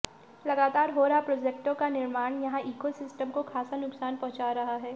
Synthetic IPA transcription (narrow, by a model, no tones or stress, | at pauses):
lɐɡaːt̪aːɾɦoːɾɐɦapɾoːd͡ʒek̚ʈõkanɪɾmaːnjɐɦãʔiːkosɪsʈəmkokʰaːsanʊksaːnpɔ̃ɦʊ̃t͡ʃaːɾɐɦaɦɛː